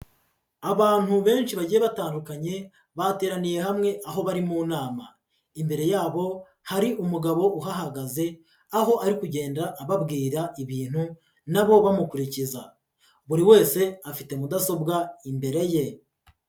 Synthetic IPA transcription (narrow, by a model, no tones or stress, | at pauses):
aβaːn̥huβe̞ːnʃiβaɟiːje̞βataːndukaɲe̞ | βate̞ːɾanije̞ɦamŋe̞ʔaɦo̞βaɾimuːnaːma̰ | imbe̞ɾe̞jaːβo̞ | haɾiʔumuɡaβo̞ʔuɦaɦaɡaze̞ | aɦo̞ʔaɾikuɟe̞ːndaʔːβabɡiːɾaʔiβiːn̥hu | naβo̞βamukuɾiciza | βuɾiwe̞ːse̞afite̞mudaso̞bɡaimbe̞ɾe̞je̞